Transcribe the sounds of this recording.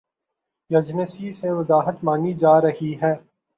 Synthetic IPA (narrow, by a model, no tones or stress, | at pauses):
jɐd͡ʒnəsiseʋɐzaːɦət̪mãːŋid͡ʒaːɾɐɦiɦɛː